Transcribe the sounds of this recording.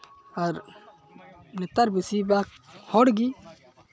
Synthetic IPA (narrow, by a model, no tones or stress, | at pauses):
aɾ | nɛt̪aɾbisibak̚ | hɔɽɡi